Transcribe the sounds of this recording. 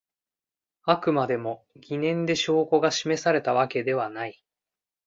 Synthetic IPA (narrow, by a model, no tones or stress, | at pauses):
akɯ̟mad̪e̞mo̞ | ɡʲinẽ̞nd̪e̞ɕo̞ːko̞ɡaɕime̞saɾe̞t̪aβ̞ake̞d̪e̞β̞anai